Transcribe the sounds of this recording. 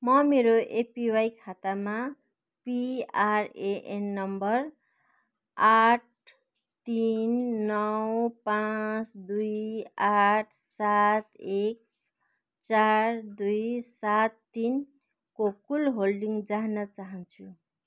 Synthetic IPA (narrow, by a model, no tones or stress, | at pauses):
mʌmeɾoʔepiwajkʰat̪ama | piaɾeʔenːʌmbʌr | aʈ̚ | t̪inːʌwpãt͡sd̪ujaʈʰsat̪ek̚ | t͡sard̪ujsat̪ːin | kokulɦolɖiŋɡd͡zaɦnʌt͡saɦʌnt͡sʰu